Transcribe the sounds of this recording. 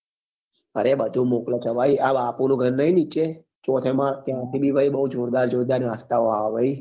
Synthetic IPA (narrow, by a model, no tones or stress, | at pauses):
əɾebəd̪ʱũmoklet͡ʃʰəʋaiabapunũɡʱəɾnəinit͡ʃe | t͡ʃot̪ʰemãt̪jãt̪ʰibʱiʋəibəɦud͡ʒoɾd̪aɾd͡ʒoɾd̪aɾast̪aoaʋʋəi